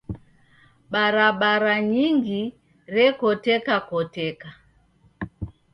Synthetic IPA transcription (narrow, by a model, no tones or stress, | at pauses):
ɓaɾaɓaɾaɲiŋɡi | ɾɛkɔtɛkakɔtɛka